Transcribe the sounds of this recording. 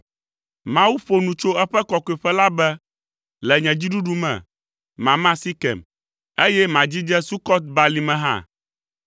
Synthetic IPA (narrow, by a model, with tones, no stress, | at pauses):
mã˦wu˦ɸo˦nũ˨t͡ʃo˦ɛ˦ɸɛ˦kɔ˨kɔ˨i˨ɸɛ˦la˦bɛ˦ | lɛ˨ɲɛ̃˨d͡ʑi˦ɖu˦ɖu˦mɛ̰̃˨ | mã˨mã˦si˦kɛ̰˨m | e˦jɛ˦mã˨d͡ʑi˦d͡ʒɛ˦su˦kɔ˦t̪̚ba˨li˨mɛ̃˨ɦã̰˦˨